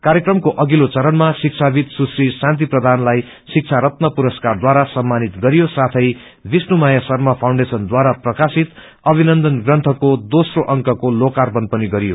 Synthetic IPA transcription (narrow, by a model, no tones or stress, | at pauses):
kaɾjekrʌmkoʔʌɡilot͡sʌɾʌnmasik̚t͡sʰabit̪susrisãnt̪̬iprʌd̪ʱanlaj | sik̚t͡sʰaɾʌt̪nʌpuɾʌskard̪waɾasʌmːanit̪ɡʌɾijosat̪ʰʌj | bisnumajasʌrmʌpʰawɳɖesʌnd̪waɾaprʌkasit̪ | ʌbʱinʌnd̪ʌnɡrʌnt̪ʰʌkod̪osroʔʌŋkʌkolokarbʌnpʌniɡʌɾijo